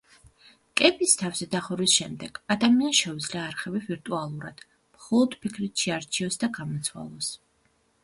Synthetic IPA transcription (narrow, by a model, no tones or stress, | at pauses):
kʼɛpʼist̪ʰafzɛd̪aχɔɾwisʃɛmd̪ɛɡ̥ad̪amianʃɛud̪zliaːɾχɛbiviɾt̪ʼualˠuɾad̪̥ | mχɔlˠɔd̪̥pʰikʰɾit̪ʃiaɾt͡ʃʰiɔsd̪aɡamɔt̪sʰwa̰lˠɔs